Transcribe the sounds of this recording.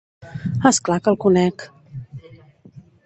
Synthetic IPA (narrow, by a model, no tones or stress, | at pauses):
əsklakəlˠkulɛk